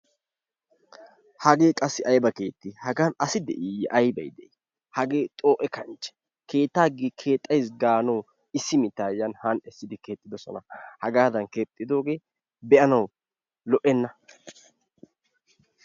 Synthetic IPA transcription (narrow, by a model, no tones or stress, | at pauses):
hɐɡe̞ːkʼɐsːɪʔɐjbɐke̞ːt̪ːɪhɐɡanɐsɪd̪ɛʔijʔɐjbɐ̰jd̪ɛʔi | hɐɡe̞ːt̪ʼo̞ːʔɛkɐnt͡ʃʼːɛ̥ | ke̞ːt̪ːaːɡikʰe̞ːt̪ʼːɐjs̬ɡaːnɐw | ɪsːɪmɪt̪ːaːjɐnhɐnɛsːɪd̪ɪke̞ːt̪ʼːɪd̪ɔsɔ̰nɐhɐɡaːd̪ɐnkeːt̪ʼːɪd̪o̞ːɡe̞ː | bɛʔɐnɐw | lɔʔɛnːɐ